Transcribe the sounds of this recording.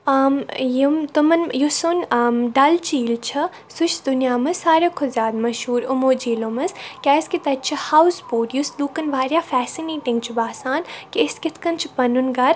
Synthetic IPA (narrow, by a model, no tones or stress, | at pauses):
amjimt̪umɐnjusunːmɖɐlt͡ʃiːlt͡ʃʰi | sʊʃd̪ʊnjaːmɐsaːɾekʰozʲjaːd̪mɐʃɦuːɾʊmoːd͡ʒiːloːmɐskʲɛːskit̪ɐt͡ʃʰihawsboːʈjusluːkɐnʋaːɾʲjaːfɛːsineːʈĩŋɡt͡ʃʰibaːsaːnkiɪskʲɪt̪ʰkɐnt͡ʃʰipɐnunɡɐɾ